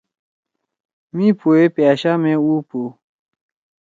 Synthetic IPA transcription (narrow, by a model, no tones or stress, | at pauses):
mĩːpʰoːepjaːʃaːmẽːuːpo